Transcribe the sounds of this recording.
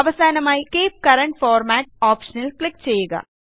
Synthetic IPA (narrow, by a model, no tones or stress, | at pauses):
ɐʋəsɛːnɐmaːikeːp̚kɐɾə̃ɳʈ̚fɔːɾmɛːʈ̚ɔːpʃənəlklɪk̚t͡ʃɐjeːɡa̰ː